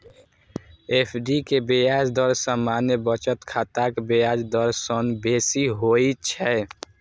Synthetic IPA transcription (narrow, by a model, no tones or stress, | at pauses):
eːpʰɖikebejaːd͡ʒd̪ɔɾsəmaːnjebət͡ʃət̪kʰat̪akbejaːd͡ʒd̪ɔɾsənbeːsiɦoːit͡ʃʰɛ